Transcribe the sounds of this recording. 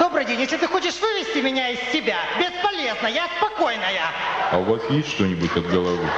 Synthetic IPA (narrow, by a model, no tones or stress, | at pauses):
d̪o̞bɾɨdʲenʲjes̬ʲlʲɪt̪ɨxo̞t͡ɕɪʂvɨvʲɪsʲtʲɪmʲɪnʲaɪsːʲɪbʲabʲɪspɐlʲe̞znəjaspɐko̞jnəjəɐʊvasjesʲtʲʂt̪onʲɪbʊtʲɐd̪̚ɡəlˠɐvɨ